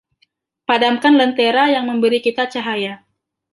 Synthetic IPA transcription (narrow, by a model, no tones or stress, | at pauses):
padamkanlənt̪eɾajaŋməmbəɾikit̪at͡ʃaɦaja